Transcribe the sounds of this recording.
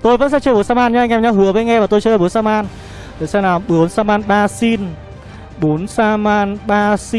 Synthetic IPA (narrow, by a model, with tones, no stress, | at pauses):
t̪o˧jvə̰˧˥nsɛ̰˧˥t͡ɕə˧ɓo˨˦nsaː˧maː˧nɲa˧ŋ˧ɛ˨˩ɲa˧˩ɦɨ˨˦əvə˧˨˦ŋɛ˧maː˨˩t̪o˧jt͡ɕə˧˩ɓu˨˦nsaː˧maː˧n | t̪ʰe˨˩sɛ˧˥naː˨˩mɓɨ˨˦ənsaː˧maː˧nɓaː˧si˧n | ɓo˨˦nsaː˧maː˧nɓaː˧si˧